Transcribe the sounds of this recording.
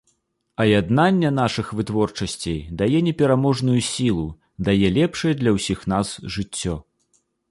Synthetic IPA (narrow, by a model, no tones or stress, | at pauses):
ɐjad̪n̪anʲːɛnaʂɨxvɨt̪vɔrt͡ʂɐsʲt͡sʲejd̪ajɛnʲɛpʲɛɾamɔʐnujusʲilˠu | d̪ajɛlʲɛpʂɐjɛd̪lʲɐwsʲixn̪asʐɨt͡sʲːɔ